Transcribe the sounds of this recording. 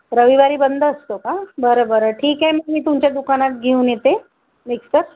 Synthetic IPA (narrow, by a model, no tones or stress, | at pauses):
ɾəʋiʋaɾibənd̪ʱaːst̪okabəɾəbəɾəʈʰiːkɦɛmɛmit̪umt͡ɕad̪ʊkanat̪̚ɡʱiũnet̪e | mɪkskəɾ